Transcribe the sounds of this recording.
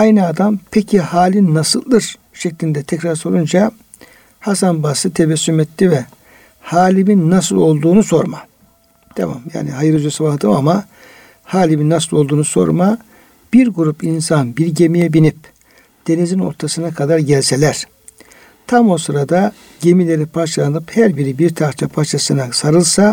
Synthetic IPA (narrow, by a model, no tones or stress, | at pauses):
ajnɯad̪ampʰecʰihaːlʲinːasɯlˠːɯɾ | ʃeclʲind̪ɛt̪ʰɛcɾaɾso̞ɾund͡ʒa | hasanbasɯt̪ʰevɛsːymɛt̪ːʲivɛ | haːlʲiminːasɯlˠo̞lˠd̪uːnuso̞ɾma | d̪̥ḛma̰mja̰ːniɦajɯɾɯd͡ʒusabahd̪ɯmama | haːlʲibinːasɯlˠo̞lˠd̪uːnuso̞̰ɾma | b̥iɾɡuɾupinsanbiɾɟe̞mijɛbinip̚ | d̪̥e̞nizino̞̰ɾt̪ʰasɯnakʰad̪aɾɟɛlʲse̞lʲæɾ̥ | t̪ʰamo̞sɯɾad̪a | ɟe̞milʲe̞ɾipʰaɾt͡ʃʰalˠanɯphæɾbiɾibiɾt̪ʰaɾt͡ʃʰapʰaɾt͡ʃʰasɯnasaɾɯlˠsa